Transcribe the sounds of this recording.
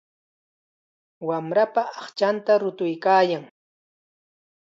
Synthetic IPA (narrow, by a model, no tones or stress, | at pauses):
wamɾapaɑχt͡ʃant̪aɾʊt̪ʊjkaːjaŋ